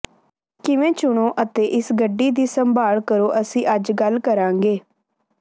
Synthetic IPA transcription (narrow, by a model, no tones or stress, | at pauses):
kɪʋẽːt͡ʃʊɽ̃õːʔət̪eːʔɪsɡəɖːiːd̪iːsəmbʱaːɭkəɾoːʔəsĩːʔəd͡ʒɡəlkəɾãːŋɡeː